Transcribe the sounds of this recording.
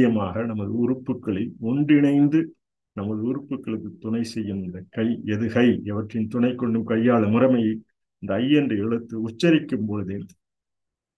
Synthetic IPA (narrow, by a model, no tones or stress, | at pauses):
jɐmaːɣɐnɐmɐðɯʊrʊpːɯkːɐɭɐɪɔɳɖɪɳɐɪnd̪ɯ | nɐmɐðɯʊɾʊpːɯkːɐɭɯkːɯt̪ːʊnɐɪsɛjːɯnnd̪ɐkɐɪɛðɯkɐɪɛʋɐʈrɪnt̪ʊɳɐɪkːɔɳɖɯmkɐjːaːɭɐmʊɾɐmɐj | ɪnd̪ɐːjːɛndrɯɛɻɯt̪ːɯʊt͡ʃːɐɾɪkːɯmpɔɻɯðeːn